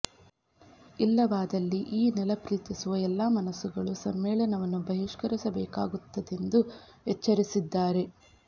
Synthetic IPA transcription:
ilːɐʋaːd̪ɐlːiʔiːnɛlɐpɾiːt̪isuʋɐɛlːaːmɐnɐsːuɡɐɭusɐmːɛːɭɐnɐʋɐnːubɐɦiʂkɐɾisɐbɛːka̰ːɡut̪ːɐd̪e̞nd̪u | ɦɛt͡ʃːɐɾisid̪ːaːɾe̞

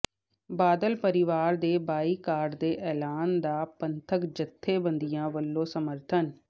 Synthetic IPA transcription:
baːd̪əlpəɾɪʋaːɾd̪eːbaːiːkaːɾɖd̪eːʔɛːlaːnd̪aːpənt̪ʰəkd͡ʒət̪ʰːeːbənd̪ɪjãːʋəlːõːsəməɾt̪ʰən

